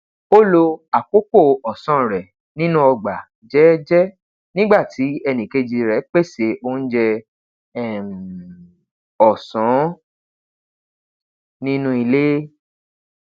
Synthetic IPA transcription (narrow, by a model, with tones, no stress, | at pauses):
o˦lo˧a˨k͡po˦ko˦˨ɔ˨sɔ̃˦˨ɾɛ˨ | nĩ˦nũ˦ɔ˧˨ɡ͡ba˨ | d͡ʒɛ˨˦d͡ʒɛ˦ | nĩ˦ɡ͡ba˦˨ti˨˦ɛ˧nĩ˨ke˧d͡ʒi˧ɾɛ˨˦k͡pe˦˨se˨˦ʔo˧˦n̩˦d͡ʒɛ˧ | ɛ˦˨m˨ | ɔ˨sɔ̃˨˦ | nĩ˦nũ˦i˧le˦